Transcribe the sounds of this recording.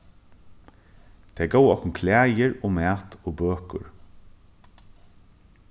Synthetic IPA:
t̪ʰeɡowɔknkʰlæːjəɹoːmæːt̪oːbøːkʊɹ

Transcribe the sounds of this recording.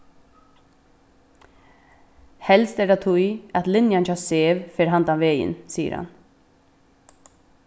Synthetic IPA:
hɛlst̪ɛd̪at̪ʰʊjat̪lɪnjant͡ʃaseːʋfeːɾɦant̪aʋeːjɪ̰nsiːə̰ɾha̰n

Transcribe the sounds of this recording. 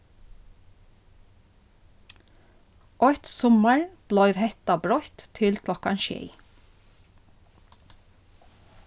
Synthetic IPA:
ʔɔt̪sɔməɹb̥lœʏʋhɛt̪ɑbɹɔt̪t̪ʰɪlkʰlɔkɑnʃḛː

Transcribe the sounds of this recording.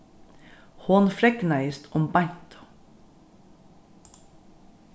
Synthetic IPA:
hoːnfɾɛknæɪst̪ɔmbɑjt̪ʰɔ̥

